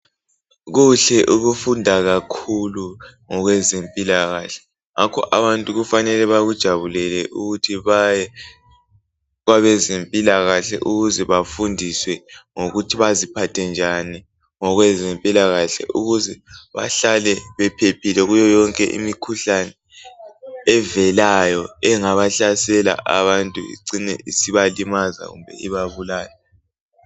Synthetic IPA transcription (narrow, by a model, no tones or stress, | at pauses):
ɣuɬɛʔuɣufundʱaɣakʰuluŋɔɣwɛzempʼilaɣaɬɛ̥ | ŋakʰɔ̰ʔaβantʼuɣufanɛlɛβaɣud̥ʒ̥ʱaβulɛlɛʔuɣutʰiβajɛ | ɣaβɛzempʼilaɣaɬɛ̰ʔuɣuzɛβafundʱiswɛŋoɣutʰiβazipʰatʰɛnd͡ʒʱani | ŋɔɣwɛzempʼilaɣaɬɛ̰ʔuɣuzɛβa̰ɬalɛβɛpʰepʰilɛɣujɔjɔŋkʼɛ̰ʔḭmikʰuɬanɛ | ɛvɛlajɔɛŋaβaɬasɛla̰ʔa̰βantʼuḭǀinɛ̰ʔisiβalimaza̰ɣṵmbʱɛ̰iβaβulaːlɛ